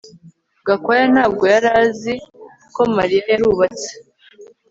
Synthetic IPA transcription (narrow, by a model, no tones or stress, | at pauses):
ɡakajan̥haːb̚ɡo̞jaɾazi | ko̞maɾijajaɾuːβat͡se̥